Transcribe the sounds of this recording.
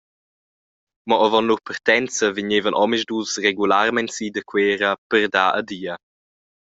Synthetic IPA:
mɔʔəvɔnluɾpərt̪ɛnt͡səviɲeːvənʔɔmiʒdusreɡulaɾmɛntsiːd̪əkweːɾəpərd̪aːʔəd̪iːə

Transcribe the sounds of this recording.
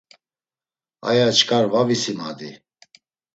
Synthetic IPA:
a̰jat͡ʃkʰʼaɾvavisimad̪i

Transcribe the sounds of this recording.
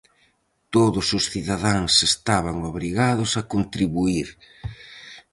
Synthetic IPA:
t̪oðʊsʊsθiðaðaŋsest̪aβaŋoβɾiɣaðʊsakont̪ɾiβuiɾ

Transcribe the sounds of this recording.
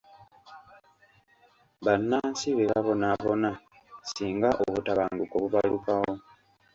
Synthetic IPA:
βanːaːnsiβeβaβo̞naβo̞na | siːŋɡaʔoβutaβaːŋɡuko̞βuβalukawo̞

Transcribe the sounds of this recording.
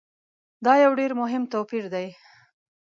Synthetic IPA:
d̪ɑjawɖeɾmʊɦɪmt̪opiɾd̪aj

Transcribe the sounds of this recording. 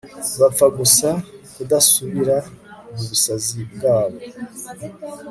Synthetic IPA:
βafaɡusakudasuβiɾamuβusazib̚ɡaːβo

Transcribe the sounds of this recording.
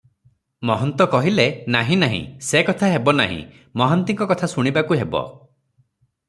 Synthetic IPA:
mɔɦɔnt̪ɔkɔɦilenaɦĩnaɦḭ̃sekɔt̪ʰaɦebɔna̰ɦḭ̃ | mɔɦɔnt̪iŋkɔkɔt̪ʰasuɽ̃ibakuɦebɔ̰

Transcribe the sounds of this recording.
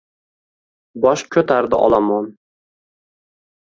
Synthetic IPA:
bɒʃkʲʰɵt̪ʰaɾd̪ɪʔɒ̰lˠamɒn

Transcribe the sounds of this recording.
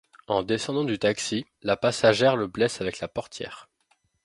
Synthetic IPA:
ɑ̃d̪esɑ̃d̪ɑ̃d̪yt̪aksi | lapasaʒɛʁləblɛsavɛklapɔʁt̪ʰjɛ̰ːʁ

